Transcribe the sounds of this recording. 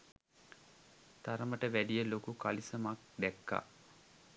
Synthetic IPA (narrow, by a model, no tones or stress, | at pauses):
t̪aɾəməʈəʋæɖijəlokukalisəmak̚d̪ɛkːa̰